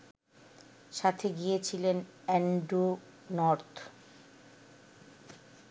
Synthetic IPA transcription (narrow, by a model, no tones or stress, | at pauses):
ʃat̪ʰeɡijet͡ɕʰilen | ɛɳɖu | nɔɾt̪ʰ